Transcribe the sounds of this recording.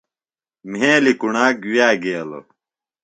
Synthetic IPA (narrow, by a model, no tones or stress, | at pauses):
mẽːlikuɳaːkwjaːɡeːlo̰